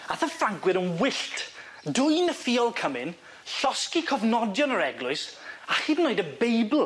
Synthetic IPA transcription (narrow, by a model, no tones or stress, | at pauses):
aθəfaŋɡwɨɾənwɪɬtʰ | dʊɨnəfiːɔlˠkʰəmɪn | ɬɔskikʰɔvnɔdjɔnəɾɛɡlˠʊɨsahiːdnoɨdəbejblˠ